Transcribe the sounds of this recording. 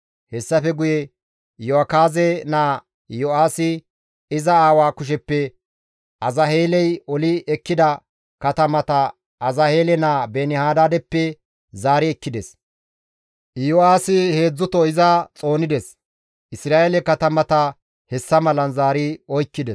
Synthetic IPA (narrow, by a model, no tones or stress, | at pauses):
hɛsːɐfɛɡʊjɛ | jɔɐkaːzɛnaː | jɔaːsɪ | ɪzɐaːwaːkʊʃ̬ɛpːɛ | ɐzɐɦe̞ːlɛjɔlɪɛkːɪd̪ɐ | kɐt̪ɐmɐt̪ɐ | ɐzɐheːlɛnaːbenɪhaːd̪aːd̪ɛpːɛ | zaːɾɪɛkːɪd̪ɛs | joaːsɪhe̞ːd͡zːʊt̪ɔɪzɐt͡sʼo̞ːnɪd̪ɛs | ʔɪsɾaːʔelɛkɐt̪ɐmɐt̪ɐ | hɛsːɐmɐlɐnzaːɾɪɔjkːɪd̪ɛs